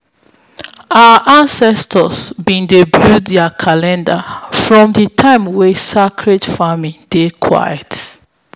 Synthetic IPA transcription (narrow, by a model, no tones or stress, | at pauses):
aəʔãnsɛstʰəsbĩndebɹuddakʰalɛ̃ndafɹɔ̃mditʰãɪ̃mwesakʰɹedfamĩdekʰwa̰jət